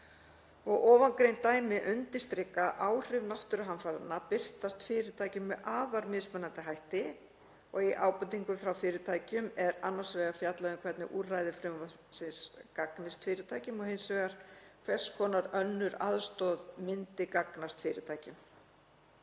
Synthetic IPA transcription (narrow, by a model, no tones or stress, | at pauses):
ɔɣʔɔːvaŋkɾejnt̪aːjmɪʔʏnt̪ɪst̪ɾɪkːaʔaːwr̥ɪvnawht̪ʏɾʏɦanfaɾanːapɪr̥t̪ast̪fɪːɾɪt̪ʰaːjcɪmːɛʔaːvaɾmɪðsmɛnːant̪ɪɦajht̪ɪ | ɔɣiʔaːwpʏt̪iŋkʏfɾawfɪːɾɪt̪ʰaːjcʏmɛɾanːasvɛːɣafjat̪laðɪmkʰvɛt̪nɪ̰ʔurajðɪfɾʏmva | sɪnskaknɪst̪fɪːɾɪt̪ʰaːjcɪmɔhensvɛːɣaɾ̥kʰvɛskʰɔːnaɾœnːʏɾa̰ðst̪ɔðmɪnt̪ɪkaknast̪fɪːɾɪt̪ʰaːjcɪm